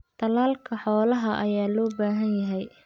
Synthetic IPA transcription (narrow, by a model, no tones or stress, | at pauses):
t̪ʰɐlaːlkʰɐħɔːlɐɦɐʔɐjaːlɔːbaːɦɐnjɐɦɛj